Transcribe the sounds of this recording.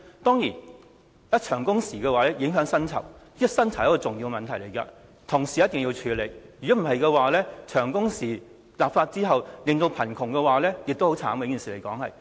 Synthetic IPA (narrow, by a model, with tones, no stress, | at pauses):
t̪ɔː˥ŋjiː˨˩n | jɐ˥t͡ʃʰœː˨˩ŋkʊ˥ŋsiː˨˩kɛː˧waː˨˥lɛː˥jɪ˨˧˥ŋɦœː˨˥ŋsɐ˥nt͡sʰɐ̰˨˩wi˥sɐ˥nt͡sʰɐ˨˩wjɐ˥kːɔː˧t͡sʊ˨ŋjiː˧wɡmɐ˨nt̪ʰɐ˨˩jle˨˩jkɐ̰ː˧ | t̪ʰʊ˨˩ŋsiː˨jɐ˥t̚t̪ɪ˨ŋji˧wt͡ʃʰyː˨˧le˨˩jjyː˨˩ɔː˨˥m̩˨˩ɦɐ˨jkɛ˧waː˨lɛː˥t͡ʃʰœː˨˩ŋkʊ˥ŋsiː˨˩ | laː˨p̚faː˧t̚t͡siː˥ɦɐ˨wlɪ˨ŋt̪o˧wpʰɐ˨˩nkʰʊ˨˩ŋkɛ˧waː˨˧lɛː˥jɪ˨k̚t̪o˥hwt͡sʰa̰ː˨˥mɐ˨˧˥kiː˨˩siː˨le˨˩jkɔː˨˥ŋhɐ̰˨j